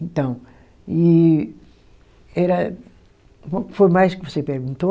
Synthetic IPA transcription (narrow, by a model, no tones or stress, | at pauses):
ẽnt̪ɐ̃w̃ | i | ɛɾɐ | kfojmajʃkɨvɔsepeɾɣũnt̪o